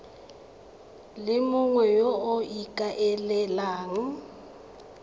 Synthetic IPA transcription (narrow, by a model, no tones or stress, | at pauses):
lɪmʊŋwɛjoʊikʼaʔɛlɛlaːŋ̩